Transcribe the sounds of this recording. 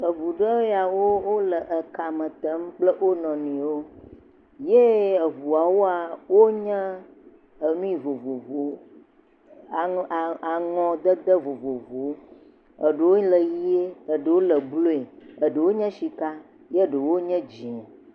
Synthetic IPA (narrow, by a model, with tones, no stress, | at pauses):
ə˨vu˨ɖə˦a˨wo˦wo˦lə˨ʔə˨ka˨mə̃˨t̪ə˦m˦k͡plə˦ʔwo˦nɔ̃˨nĩ˨wo˦ | je˦ə˨vu˨a˨wo˦a˨wo˦ɲɛ̃˦ | ə˨nũ˦i˨vo˨vo˨vo˨˦ | a˨a˨ŋɔ̃˨d̪ə˦d̪ə˦vo˨vo˨vo˨˦ | ə˨ɖə˨wo˦ɲĩ˦lə˨ji˦e˦ə˨ɖə˨wo˦lə˨blo˦e˨ə˨ɖə˨wo˦ɲə̃˦ʃi˨ka˦ | je˦˨ɖə˨wo˦ɲɛ̃˦d͡ʑi˨n˨